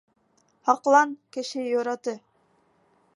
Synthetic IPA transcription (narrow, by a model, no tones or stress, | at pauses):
hɑqlˠɑnkɘ̆ʃɘjoɾɑt̪ɤ